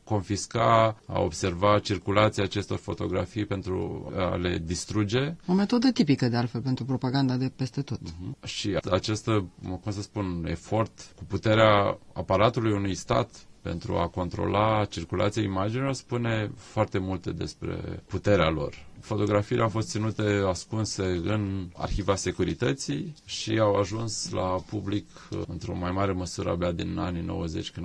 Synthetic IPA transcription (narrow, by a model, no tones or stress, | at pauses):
ko̞nfiskaa̰o̞̰bse̞rvat͡ʃirkulat̪siaːt͡ʃe̞st̪o̞rfot̪o̞ɡɾa̰fijpe̞nt̪ɾṵa̰le̞d̪ist̪ɾud͡ʒe̞o̞me̞t̪o̞d̪ət̪ipikəd̪ealfelpent̪ɾupɾo̞paɡand̪ad̪e̞pest̪e̞t̪o̞t̪̩ʃiat͡ʃest̪əkumsəspune̞fo̞rt̪kuput̪e̞ɾeaa̰paɾat̪ulujunujst̪a̰t̪pe̞̰nt̪ɾṵa̰ko̞nt̪ɾo̰lat͡ʃirkulʔa̰t̪sijaimad͡ʒinilo̞rspune̞foart̪e̞mult̪ed̪e̞spɾe̞̰put̪e̞ɾealo̞̰rfo̞t̪o̞ɡɾafiilḛʔawfo̞s̬t̪sinut̪easkunseɨna̰rçivase̞kuɾit̪ət̪siʃiawaʒunslapublik | ɨnt̪ɾo̞̰majmaɾe̞məsuɾə̰abead̪inaninʔo̞̰wəze̞̰t͡ʃʲkɨn